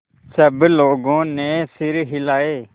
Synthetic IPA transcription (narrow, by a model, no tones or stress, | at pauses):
səbloːɡõːnẽːsɪɾɦɪlaːeː